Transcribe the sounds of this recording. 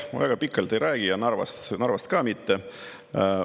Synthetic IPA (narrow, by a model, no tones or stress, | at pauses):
mṵvæɡ̥ɑpikːˑɑlt̪ejɾʔæːɡ̥ijɑnɑrvɑ̰st̪nɑrvɑst̪kɑːmit̪ːe